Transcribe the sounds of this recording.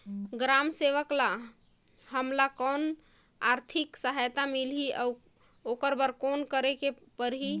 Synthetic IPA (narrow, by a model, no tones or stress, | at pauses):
ɡɾamseʋəkla | həmlakɔn | aɾt̪ʰiksəɦajt̪amilɦiɔ | okəɾbəɾkonkəɾeke | pəɾɦi